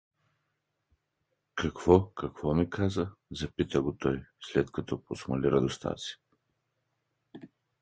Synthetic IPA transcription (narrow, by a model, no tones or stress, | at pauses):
kʰɐkvɔkɐkvɔmikʰazəzɐpit̪əɡʊt̪ɔjslɛt̪kɐt̪ɔposmɐlʲiɾɐd̪ʊst̪a̰t̪si̥